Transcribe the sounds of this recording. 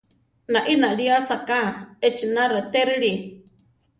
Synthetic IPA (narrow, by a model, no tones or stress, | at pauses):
nãʔinaɺiasakaet͡ʃinãɾat̪eɾɨɺi